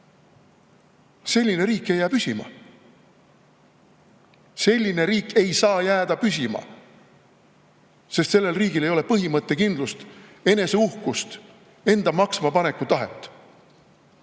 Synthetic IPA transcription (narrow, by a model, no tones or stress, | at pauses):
se̞lʲːine̞ɾiːkːˑe̞jːæːpysʲimɑ̰ | se̞lʲːine̞ɾiːkːe̞jsɑːjæːd̪̥ɑpysʲimɑ̰ | sest̪selːe̞lriːɡile̞jo̞le̞pɤɦimɤt̪ːe̞kind̪lust̪e̞ne̞se̞uhkust̪ | e̞nd̪̥ɑmɑksmɑpɑne̞kːˑut̪ɑɦe̞̰t̪ːˑ